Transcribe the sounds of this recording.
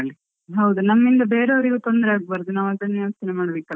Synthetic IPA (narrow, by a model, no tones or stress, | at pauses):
ɐɭi | ɦɐwd̪unɐmːind̪ɐbe̞ːɾeɐʋɐɾiɡut̪ond̪ɾeaːɡ̚baːɾd̪unaːʋɐɡɭnjɐmst̪inemaːɽbekːɐ